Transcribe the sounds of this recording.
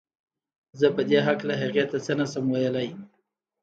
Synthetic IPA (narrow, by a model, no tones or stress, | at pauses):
zəpəd̪eɦaklaɦaqjat̪ːat͡sənasəmwajəlaj